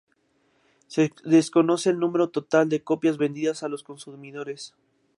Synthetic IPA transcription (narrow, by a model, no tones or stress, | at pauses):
seðesko̞no̞seːlnũme̞ɾo̞t̪o̞t̪ald̪e̞ko̞pjazβe̞nd̪iðasalo̞sko̞nsumiðo̞ɾe̞s